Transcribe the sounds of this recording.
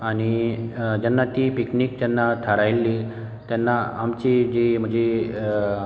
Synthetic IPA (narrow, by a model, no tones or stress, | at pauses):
aɽ̃id͡ʑanːat̪iːpiknikd͡ʑɛnːat̪ʰaɾajlːi | t̪janːaamt͡ɕid͡ʑim̤ə̃ɳd͡ʑe